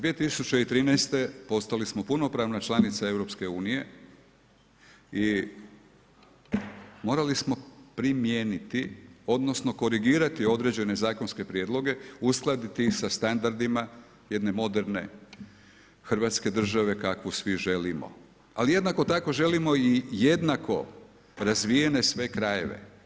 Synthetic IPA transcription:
d̪ʋije̞t̪isut͡ɕe̞it̪ɾiːnɛjst̪e̞po̞st̪alismo̞puno̞pɾaːʋnat͡ʃlˠanit̪sae̞vɾo̞pske̞uːnije̞ | i | mo̞ːɾalismo̞pɾimjeːnit̪io̞d̪no̞sno̞ko̞ɾiɡiːɾat̪io̞d̪ɾe̞d͡ʑe̞ne̞zaːko̞nske̞pɾjeːd̪lˠo̞ɡe̞usklˠad̪it̪isast̪and̪aɾd̪ima | je̞d̪ne̞mo̞d̪e̞ɾne̞̰ | xr̩ʋat̪ske̞d̪r̩ʒaʋe̞kakʋusʋiʒe̞limo̰ | alije̞d̪nako̞t̪ako̞ʒe̞limo̞ije̞d̪nako̞ | ɾazʋije̞ne̞sʋe̞kɾaje̞̰ʋḛ

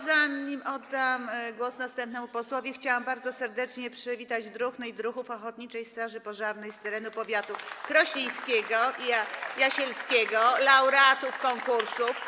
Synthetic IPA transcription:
zaɲimɔd̪ːamɡwɔsnast̪ɛmpnɛmupɔswɔvʲjɛxt͡ɕawambaɾd̪zɔsɛɾd̪ɛt͡ʂɲɛpʂɛvʲit̪ad͡ʑd̪ɾuxnɘjd̪ɾuxufɔxɔt̪ɲit͡ʂɛjst̪ɾaʐɘpɔʐaɾnɛjst̪ɛɾɛnupɔvʲjat̪ukɾɔɕɛj̃skʲɛɡɔajaɕɛlskʲɛɡɔlawɾɛat̪ufkɔŋkuɾsuf

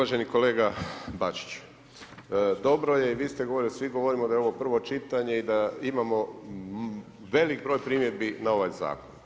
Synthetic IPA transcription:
aʒe̞niko̞le̞ːɡabat͡ʃi̥t͡ɕ | d̪o̞bɾoje̞iʋiːst̪eɡo̞ʋoɾilisʋiɡo̞ʋo̞ɾimod̪ajeoʋo̞pr̩ʋo̞t͡ʃit̪aɲe̞id̪aimamo̞ | ʋe̞likbɾo̞ːjpɾiːmjed̪binao̞ʋajza̰ːkon

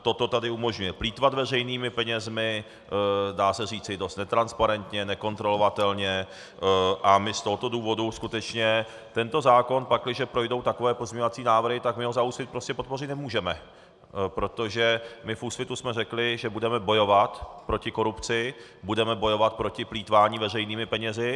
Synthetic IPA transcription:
t̪o̞t̪o̞t̪adɪumo̞ʒɲujɛpliːt̪vat̪vɛrɛjniːmɪpɛɲɛzmɪ | daːsɛriːt͡sɪdo̞st̪nɛt̪ɾanspaɾɛnt̪ɲɛnɛko̞nt̪ɾo̞lo̞vat̪ɛlɲɛ | ʔamɪst̪o̞ɦot̪oduːvo̞duskut̪ɛt͡ʃɲɛ | t̪ɛnt̪o̞zaːko̞npaklɪʒɛpɾo̞jdo̞wt̪ako̞vɛːpozɲeɲoat͡siːnaːvr̩ɦɪt̪akmɪɦozauːsfɪt̪̚pɾoscɛpot̪po̞rɪt̪nɛmuːʒɛmɛ | pɾo̞t̪o̞ʒɛmɪfuːsfɪt̪usmɛrɛklɪʒɛbudɛmɛbo̞jo̞vat̪pɾo̞cɪko̞ɾupt͡sɪ | budɛmɛbo̞jo̞vat̪̚pɾo̞cɪpliːt̪vaːɲiːvɛrɛjniːmɪpɛɲɛzɪ

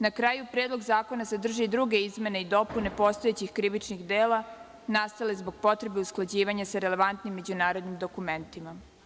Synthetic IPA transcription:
nakɾaːjupɾeːd̪loɡzaːko̞nasad̪r̩ʒid̪ɾuɡe̞izme̞ne̞id̪o̞pune̞po̞st̪oet͡ɕixkɾiʋit͡ʃnixd̪eːla | nast̪ale̞zbo̞ɡ̚po̞t̪ɾe̞be̞usklˠad͡ʑiːʋaɲasaɾe̞le̞ʋant̪nimːe̞d͡ʑunaːɾo̞d̪nimd̪o̞kume̞nt̪ima

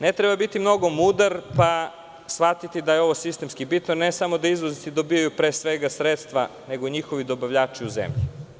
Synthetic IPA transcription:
net̪ɾebabit̪imno̞ɡo̞mud̪aɾpa | sʋat̪it̪id̪ajeo̞ʋo̞sist̪e̞mskibit̪nonesamod̪aizʋozit̪id̪obijajupɾeːsʋeɡasɾet̪st̪ʋane̞ɡoiɲixoʋid̪o̞baʋʎaːt͡ʃiuzḛmʎḭ

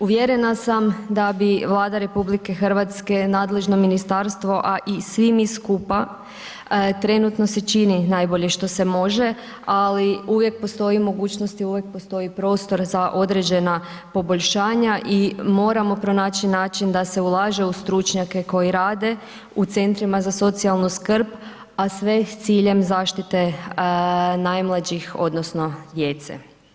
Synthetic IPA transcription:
uʋjeɾe̞nasamd̪abiʋlˠaːd̪aɾe̞publike̞xər̩ʋat̪ske̞naːd̪le̞ʒno̞minist̪aɾst̪ʋo̞ʔaʔisʋimiskupa | t̪ɾe̞nut̪no̞set͡ʃininajbo̞ʎeʃt̪o̞se̞mo̞ʒe | aliuʋje̞k̚po̞st̪o̞imo̞ɡuːt͡ɕno̞st̪iuʋjek̚post̪o̞jipɾo̞ːst̪o̞ɾzaʔo̞d̪ɾe̞d͡ʑe̞na | po̞boʎʲʃaːɲaʔimo̞ːɾamo̞pɾo̞naːt͡ʃinaːt͡ɕind̪ase̞ulˠaːʒe̞ust̪ɾut͡ʃɲake̞ko̞jiɾaːd̪e̞ | ut̪se̞nt̪ɾimazaso̞t̪sialˠnuskrp | asʋe̞t̪siːʎe̞mzaːʃt̪it̪e̞ | najmlˠad͡ʑixo̞̰d̪nosno̞d̪je̞t̪sḛ

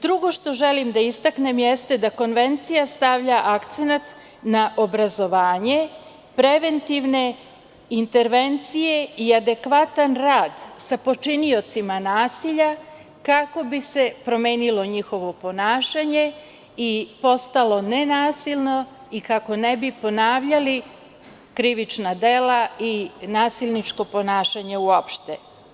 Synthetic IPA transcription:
d̪ɾuɡo̞ʃt̪o̞ʒelimd̪aist̪aknemjest̪e̞d̪ako̞nʋe̞nt̪sijast̪aʋʎaʔakt̪senat̪ | naʔobɾazo̞ʋaːɲe̞ | pɾe̞ʋe̞nt̪iʋne̞ | int̪e̞ɾʋe̞nt̪sije̞iad̪e̞kʋat̪anɾaːd̪sapo̞t͡ʃinio̞t̪simanaːsiʎa | kako̞bise̞pɾo̞meːnilo̞ɲixo̞ʋo̞po̞naːʃaɲe̞ | ipo̞st̪alo̞nenaːsilʲno̞ | ikako̞nebipo̞naːʋʎali | kɾiʋit͡ʃnad̪e̞lainaːsilʲnit͡ʃko̞po̞naːʃaɲe̞uopʃt̪e

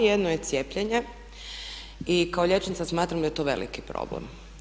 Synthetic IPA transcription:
jed̪noje̞t̪sjeːpʎeɲe | ikaoʎet͡ʃent̪asmaːt̪ɾamd̪ajet̪o̞ʋe̞̰lḭkipɾo̰blḛm

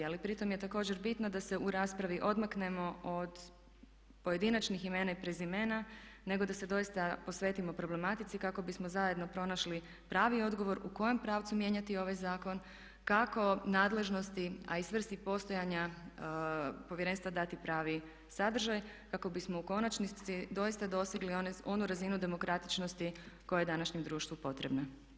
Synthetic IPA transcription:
alipɾit̪o̞mje̞t̪ako̞ːd͡ʑe̞ɾbit̪nod̪ase̞uɾaːspɾaʋiʔo̞d̪makne̞mo̞od̪ | po̞je̞d̪inat͡ʃniximenaipɾezime̞ːnane̞ɡo̞d̪ase̞d̪o̞jist̪apo̞sʋe̞ːt̪imopɾo̞ble̞mat̪it̪sikako̞bismo̞zaje̞d̪no̞pɾo̞naʃli | pɾaːʋio̞d̪ɡo̞ʋo̞ɾuko̞jo̞mpɾaːʋt̪sumje̞ɲat̪io̞ʋajzaːko̞n | kako̞naːd̪le̞ʒno̞st̪ia̰isʋr̩st̪ipo̞st̪o̞jaɲa | poʋjeɾe̞nst̪ʋad̪at̪ipɾaːʋi | sad̪r̩ʒaj | kako̞bismo̞uko̞nat͡ʃniid̪o̞jist̪ad̪o̞siɡlio̞nuɾazinud̪e̞mo̞kɾat̪it͡ʃnost̪iko̞jajed̪anaʃɲemd̪ɾuːʃt̪ʋupo̞t̪ɾe̞bna

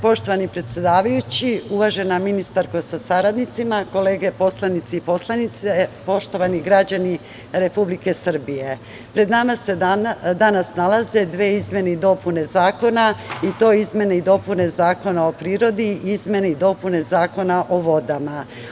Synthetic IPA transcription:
po̞ʃt̪o̞ʋanipɾe̞t̪sje̞d̪aːʋajut͡ɕiuʋaʒe̞naminist̪aɾko̞sasaɾad̪nit̪simako̞le̞ːɡe̞po̞slˠanit̪siipo̞slˠanit̪sepo̞ʃt̪o̞ʋaniɡɾad͡ʑani | ɾe̞publike̞sr̩bije̞ | pɾe̞d̪namased̪anasnalaze̞d̪ʋe̞ːizmje̞neid̪o̞pune̞zaːko̞nait̪o̞izmje̞neid̪o̞pune̞zaːko̞nao̞pɾiːɾo̞d̪iizmje̞neid̪o̞pune̞zaːko̞naʔo̞ʋo̞d̪ama

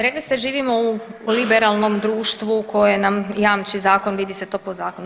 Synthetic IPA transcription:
ɾeklist̪eʒiːʋimo̞ulibeɾalˠnomd̪ɾuːʃt̪ʋuko̞jojjenamjaːmt͡ʃizaːko̞nʋid̪iset̪o̞ːpozaːkonu

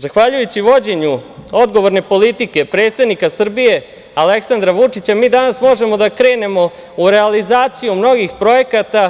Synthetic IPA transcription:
zaxʋaʎujut͡ɕiʋo̞d͡ʑe̞ɲuo̞d̪ɡo̞ʋo̞ɾne̞po̞lit̪ike̞pɾe̞ːt̪st̪ed̪nikasr̩bije̞ | ale̞ksand̪ɾaʋut͡ʂit͡ɕamiːd̪anasmo̞ʒe̞mo̞d̪akɾe̞ːne̞mo̞ | uɾe̞alizaːt̪sijumno̞ɡixpɾo̞je̞kat̪a

